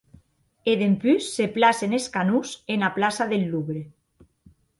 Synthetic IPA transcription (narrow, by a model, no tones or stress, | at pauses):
eðempysːeplaseneskanusenaplasaðelːuβɾe